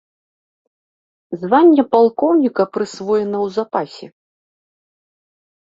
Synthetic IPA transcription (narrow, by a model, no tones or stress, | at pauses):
zvanʲːɛpalˠkɔwnʲikɐpɾɨsvɔjɛnɐwzapasʲɛ